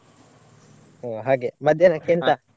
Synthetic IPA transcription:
oɦaɡemad̪enakent̪a

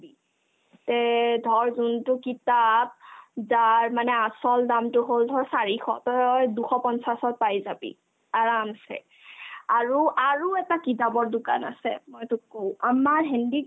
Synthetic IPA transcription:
bi | tɛdʱɔɹzuntʊkitap̚zaɹmanɛasɔldamtʊɦoldʱɔɹsaɹixʰɔ̰tɔjɔjduxɔpɔnsasɔt̚pajzabḭ | aɹamsɛ̰ | aɹuʔaɹuɛtakitabɔɹdʊka̰na̰sɛ̰mojtʊkow̃amaɹɦɛndi

